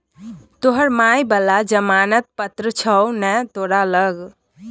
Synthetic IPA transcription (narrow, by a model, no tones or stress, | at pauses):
t̪oɦəɾmajbəlad͡ʒəmanət̪̚pət̪ɾət͡ʃʰəwnɛt̪oɾaləɡ